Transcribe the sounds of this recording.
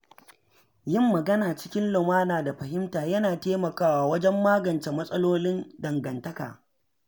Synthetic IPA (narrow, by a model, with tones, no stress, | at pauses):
jɪ˦mːɐ˨ɡɐ˦naː˨t͡ʃɪ̥˦kʲɪ˦nlʊ˨maː˦naː˨da˨ɸɐ˨hɪ˦mtaː˨jɐ˦naː˨teː˦mɐ˨kaː˦waː˨wɐ˦d͡ʒɛ˦mːaː˦ɡɐ˨nt͡ʃe˨mɐ˦sʼɐ˦loː˦lɪ˦ndɐ˨ŋɡɐ˨ntɐ˦ka̰ː˨